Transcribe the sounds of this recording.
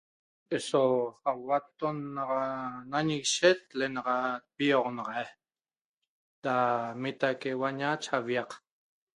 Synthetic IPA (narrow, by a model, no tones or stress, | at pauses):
ʔesoawat̪onːaʁanaɲiɣiʃet̪̚lenɑʁɑt̪̚pioʁnɑʁɑe | d̪amit̪akewaɲat͡ʃaβjɑq